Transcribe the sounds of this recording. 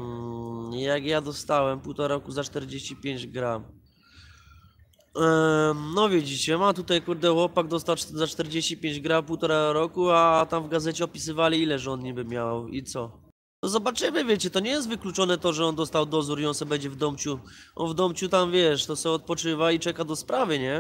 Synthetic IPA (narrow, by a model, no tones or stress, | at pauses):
jaɡjad̪ɔst̪awɛmpuwt̪ɔɾaɾɔkuzat͡ʂt̪ɛɾd͡ʑeɕt͡ɕipʲjeɲd͡ʑɡɾam | nɔvʲjed͡ʑit͡ɕɛmamt̪ut̪ajkuɾd̪ɛwɔpaɡd̪ɔst̪awzat͡ʂt̪ɛɾd͡ʑeɕt͡ɕipʲjeɲd͡ʑɡɾampuwt̪ɔɾaɾɔkuat̪amvɡazɛt͡ɕɛɔpʲis̬ɘvalʲiilɛʐɔnɲibɘmʲjawit̪sɔ | t̪ɔzɔbat͡ʂɘmɘvʲjɛt͡ɕɛt̪ɔɲɛjɛst̪vɘklut͡ʂɔnɛt̪ɔʐɛɔnd̪ɔst̪awd̪ɔzuɾiɔnsɛbɛɲd͡ʑɛvd̪ɔmpt͡ɕuʔɔ̰vd̪ɔmpt͡ɕut̪amvʲjɛʂt̪ɔsɛɔt̪̚pɔt͡ʂɘvait͡ʂɛkad̪ɔspɾavɘɲɛ